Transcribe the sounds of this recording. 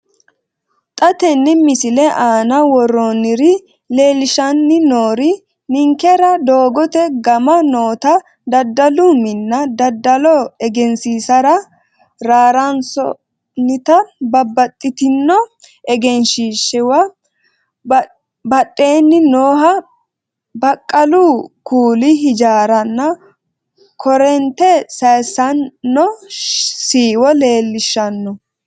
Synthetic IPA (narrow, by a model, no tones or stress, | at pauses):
t̪ʼɐt̪ɛnːɪmɪsɪlɛʔaːnɐwɔrːonɪɾɪ | le̞ːlɪʃɐnːɪnoːɾɪ | nɪŋkɛɾɐd̪o̞ːɡɔt̪ɛɡɐmɐnoːt̪ɐ | d̪ɐd̪ːɐlumɪnːɐd̪ɐd̪ːɐlɔɛɡɛnsiːsɐɾɐ | ɾaːɾɐnsɔ | nɪt̪ɐbɐbːɐt̪ʼːɪt̪ɪnːɔ | ɛɡɛnʃiːʃɛwɐ | bɐtʼːe̞ːnːɪnoːɦɐ | bɐkʼːɐluːkuːlɪɦɪd͡ʒaːɾɐnːɐ | kʰɔɾɛnt̪ɛsɐjsɐnːɔ | siːwɔle̞ːlːɪʃːɐnːɔ